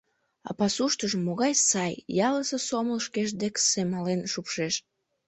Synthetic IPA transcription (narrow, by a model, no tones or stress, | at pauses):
ɑ̰pɑsuʃt̪əʒəmːoɣɑjsɑjjɑləsəsoməlʃkeʃd̪eksemɑlenʃupʃeʃ